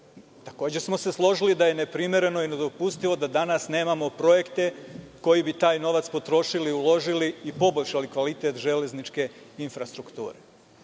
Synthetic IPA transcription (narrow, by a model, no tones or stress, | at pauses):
t̪ako̞ːd͡ʑe̞smo̞se̞slˠo̞ʒilid̪aje̞ne̞pɾimje̞ɾe̞no̞ine̞d̪o̞pust̪iʋo̞d̪ad̪anasne̞ːmamo̞pɾo̞je̞kt̪e̞ko̞jibit̪aːjno̞ʋat̪spo̞t̪ɾo̞ʃiliulo̞ʒiliːpo̞bo̞ʎʲʃalikʋalit̪e̞t̪ʒe̞le̞znit͡ʃke̞infɾast̪ɾukt̪ṵːɾe